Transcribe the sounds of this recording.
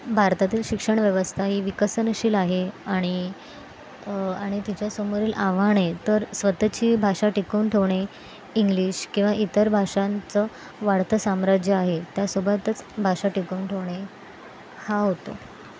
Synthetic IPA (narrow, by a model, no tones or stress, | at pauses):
bʱaɾt̪at̪iːlɕikʂəɳ̃ʋjəʋəst̪ʰaɦiːʋikəsənəɕiːlaɦeaɽ̃i | aɽ̃it̪it͡ɕjasəmuɾiːlaʋaɽ̃et̪əɾsʋət̪t͡ɕiːbʱaʂaʈikəunʈʰeʋɳ̃e | iŋɡliːɕkĩw̃ʋaʔit̪əɾbʱaʂant͡sə | ʋaɽt̪ʰəsamɾad͡ʑjəaɦet̪jasobət̪ət͡sbʱaʂaʈikəunʈʰeʋɳ̃e | haɦot̪o̰